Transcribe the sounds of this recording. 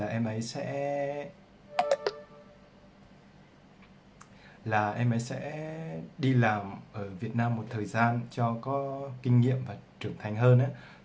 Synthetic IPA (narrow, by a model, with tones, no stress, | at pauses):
aː˨˩ʔɛ˧mʔə˨˦jsɛ̰˧˥ | laː˨˩ʔɛ˧mʔə˨˦jsɛ̰˧˥ɗi˧laː˨˩mʔəː˧˩vi˨˩ət̚naː˧mːo˨˩t̚t̪ʰəː˨˩jzaː˧nt͡ɕɔ˧kɔ˨˦kï˧ŋ̟ŋḭ˧˨əmvaː˨˩t͡ɕɨ˨˩əŋt̪ʰa˨˩jŋ̟ɦəː˧nʔaː˨˦